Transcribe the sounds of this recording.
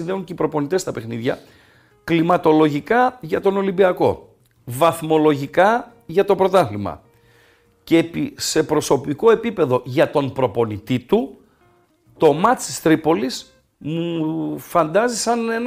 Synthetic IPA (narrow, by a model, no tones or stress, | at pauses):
inðeuɲceipɾo̞po̞nit̪e̞st̪ɐpe̞xniðʝɐ | klimɐt̪o̞lo̞ʝikɐʝɐt̪o̞nolimbiɐko̞̰ | vɐθmo̞lo̞ʝikɐ | ʝɐt̪o̞pɾo̞t̪ɐθlimɐ̰ | cepise̞pɾo̞so̞piko̞e̞pipe̞ðo̞ʝɐt̪o̞npɾo̞po̞nit̪it̪u | t̪o̞mɐt͡sist̪ɾipo̞lis | mufɐnd̪ɐzisɐne̞n